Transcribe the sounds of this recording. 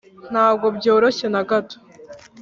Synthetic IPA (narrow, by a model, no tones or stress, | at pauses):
n̥haːb̚ɡo̞bjo̞ːɾo̞ɕe̞naɡato̥